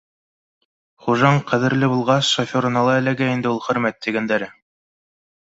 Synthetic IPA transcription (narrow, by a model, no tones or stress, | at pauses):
χuʒɑɴqʰæðɘ̆ɾlɘbulˠʁɑsʃofʲoɾɤ̆nɑlˠɑɘ̆læɡæind̪ɘulˠχɵ̆ɾmæt̪ːiɡænd̪æɾɘ